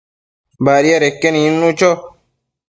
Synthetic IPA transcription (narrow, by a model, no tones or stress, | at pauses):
baːɾijaɾekːenĩnːũt͡ʃo